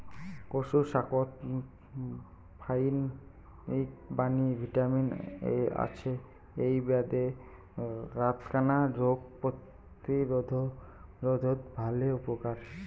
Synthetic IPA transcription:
koʃuʃakot̪ | pʰajn | ikbanibʱiʈaminḛa̰t͡ɕʰe | ejbead̪e | ɾat̪kanaɾoɡ̚pot̪ | iɾod̪ʱo | ɾod̪ʱot̪bʱaleupokaɾ

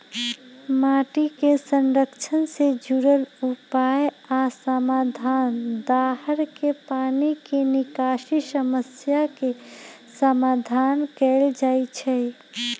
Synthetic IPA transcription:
maʈikesə̃nɾəkt͡ʃʰənsed͡ʒuɾəlupaj | asəmad̪ʱand̪aɦəɾkepaːnikenɪkaʃisəməsjakesəmad̪ʱankɛld͡ʒat͡ʃʰɛ

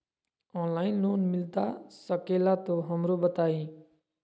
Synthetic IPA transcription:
ɔ̃nlainlonmilt̪asʌkelat̪oɦʌmɾobʌt̪aĩ

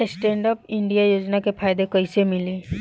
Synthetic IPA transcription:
esʈẽːɳɖəpɪ̃ɳɖijajoːd͡ʒnakepʰaːjd̪ekɐisemɪliː

